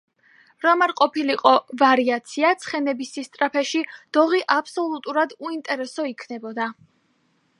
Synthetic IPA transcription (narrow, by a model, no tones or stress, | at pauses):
ɾɔmaɾqʼɔpiliqʼɔvaɾiat̪sʰiat̪sʰχɛnɛbisist̪ʼɾapʰɛʃid̪̥ɔʁiʔapʰsɔlˠut̪ʼuɾad̪uint̪ʼɛɾɛsɔikʰnɛbɔd̪a